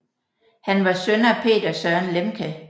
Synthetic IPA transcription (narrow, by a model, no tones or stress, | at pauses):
hænʋɑ̈sønɐæpʰe̝̰ːd̥ɐsœɐɐnlemkʰə